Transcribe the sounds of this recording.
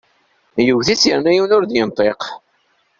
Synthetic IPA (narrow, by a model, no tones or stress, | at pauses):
juʝθisjəɾnæjiwnʊɾðjənt̪ˤeq